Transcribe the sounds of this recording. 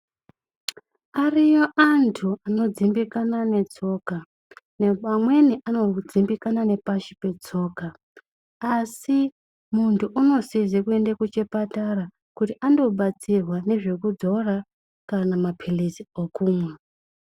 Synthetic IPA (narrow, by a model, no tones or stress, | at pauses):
arijoʔantʰuano̞d͡zimbikanane̞t͡so̞ka | neamwe̞niʔano̞d͡zimbikanane̞paʃipe̞t͡so̞ːkaː | si | muntʰuʔuno̞sizekue̞ndekut͡ʃe̞pataɾa | kutiʔando̞ɓat͡sirwane̞ʐe̞kud͡zo̞ra | kanamapʰiliziokuːmwe